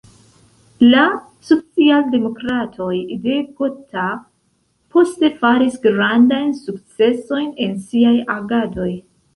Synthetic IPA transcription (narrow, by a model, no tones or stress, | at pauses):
la | sot͡sialde̞mo̞kɾatʰo̞jde̞ɡotʰa | pʰo̞ste̞faɾisɡɾandajnsuk̚t͡se̞so̞jne̞nsiajaɡado̞j